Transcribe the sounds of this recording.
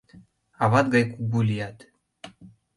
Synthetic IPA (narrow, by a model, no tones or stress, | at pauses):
ɑβɑt̪ɡɑjkuɡulʲijɑt̪